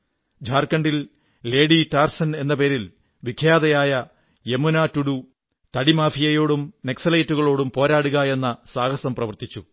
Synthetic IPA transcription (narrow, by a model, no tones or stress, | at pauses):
d͡ʑʱaːrkɐɳɖil | le̞ːɽiʈaːrsɐne̞nːɐpe̞ːɾil | ʋikʰjaːd̪ɐjaːjɐ | e̞munaːtːuɽu | t̪ɐɽimaːfijɐjo̞ːɽumne̞ksɐlɐjtːuɣɐɭo̞ːɽumpo̞ːɾaːɽuɣɐje̞nːɐsaːɡɐsɐmprɐʋɐrt̪it͡ɕːu